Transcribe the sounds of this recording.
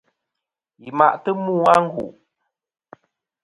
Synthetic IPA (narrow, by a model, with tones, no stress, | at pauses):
ji˨ma̰˨ʔtə˦muː˦a˦ŋ̩˦ɡṵ˨ʔ